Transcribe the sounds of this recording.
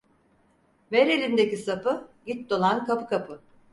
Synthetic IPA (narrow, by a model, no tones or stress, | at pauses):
veɾe̞lʲind̪ecisapɯɟit̪̚d̪o̞lˠankʰapɯkʰapʰɯ